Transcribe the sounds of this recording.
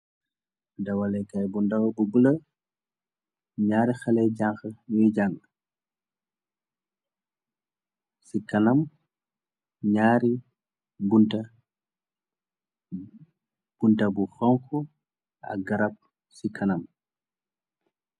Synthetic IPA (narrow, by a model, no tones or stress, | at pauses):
dɐwɐlɛkajbundɐwɐbuɡulə | ɲaːɾixɐlɛɟaŋxɐwiɟaŋ | sikɐnɐm | ɲaːɾi | bunta | b̥untabuxɔŋxɔ | ɐ̰ɡɐɾɐp̚ | sikʰɐnam